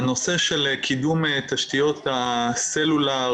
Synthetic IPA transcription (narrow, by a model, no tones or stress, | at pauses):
no̞seʃelkʰid̪umet̪aʃt̪ijo̞t̪aselula